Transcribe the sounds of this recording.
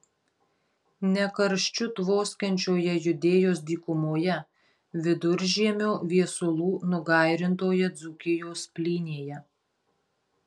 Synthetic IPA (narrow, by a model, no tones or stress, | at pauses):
nʲɛkɐɾʃʲt͡ʃʲʊt̪ʋoːsʲkʲɛnʲt͡ʃʲoːjɛjʊd̪ʲeːjoːsd̪ʲiːkʊmoːjɛ | ʋʲɪd̪ʊɾʲʒʲiɛmʲoːʋʲiɛsʊlˠuːnʊɡɑˑɪɾʲɪnt̪oːjɛd̪zʊkʲɪjoːspʲlʲiːnʲeːjɛ